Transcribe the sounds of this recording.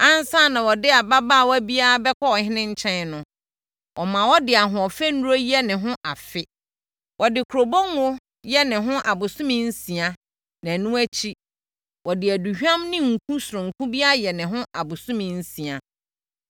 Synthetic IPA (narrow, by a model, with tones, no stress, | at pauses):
ã˦n˦sa˦˨nã˨wɔ˨dɪ˦a˨ba˦ba˦˨wɔ˦æ˦bi˦a˦a˦bɛ˦kʷʰɔ˦ɔ˨hɪ̃˦nɪ̃˦ɲ̩˦t͡ɕʰɛ̃˦nnʊ̃˦ | wʔɔ˨mã˨wɔ˦dɪ˨a˨ɦʊ̃˨ɔ˨fɛ˦nũ˦ɾo˦jɛ˦nɪ̃˨ɦʊ̃˦ʔa˨fɪ˦ | wʔɔ˨dɪ˨kʰɾo˨bo˦nwʊ˦ | jɛ˦nɪ̃˨ɦʊ̃˦ʔa˨bʊ˨sʊ̃˦mɪ̃˦n̩˦sĩ˨a˦ | nã˨nũ˦æ˦t͡ɕʰi˦ | wɔ˨dɪ˨æ˨du˨hᶣã˦mnɪ̃˦ŋ̩˨kʰũ˦sʊ˨ɾʊ̃˨ŋ̩˨kʰũ˦bi˦a˦a˦jɛ˨nɪ̃˨ɦʊ̃˦ʔa˨bʊ˨sʊ̃˦mɪ̃˨n̩˦sĩ˨a˨